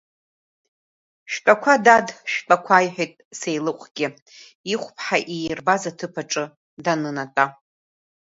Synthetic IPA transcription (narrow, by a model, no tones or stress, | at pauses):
ʃpʼakʷʰadadʃpʼakʷʰaːjħʷᶣejtʼsejlɨqʷʼɡ̥ʲɪ | iχʷpʰħaʔijrbazatʰɨpʰaʈ͡ʂʼɨ | danɨnatʼa